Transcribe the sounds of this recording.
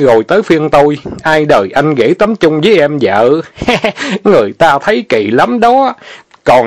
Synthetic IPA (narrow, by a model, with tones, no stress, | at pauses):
ɣo˨˩jt̪əː˨˦jfi˧ənt̪o˧jʔaː˧jɗəː˨˩jʔa˧jŋ̟ɣḛ˧˥t̪ə˨˦mt͡ɕʊ˧ŋ͡mvəː˨˦jʔɛ˧mzə̰ː˧˨ | ŋɨ˨˩əjt̪aː˧t̪ʰə˨˦jkḭ˧˨la˨˦mɗɔ˨˦ | kɔ˨˩n